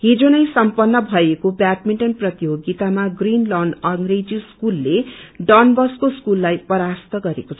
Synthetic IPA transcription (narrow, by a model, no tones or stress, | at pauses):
ɦid͡zonʌjsʌmpʌnːʌbʱʌekobaʈ̚miɳʈʌnprʌt̪joɡit̪amaɡrinlʌnʌŋɡred͡ziskulːeɖʌnbʌskoskulːajpʌɾast̪ʌɡʌɾekot͡sʰʌ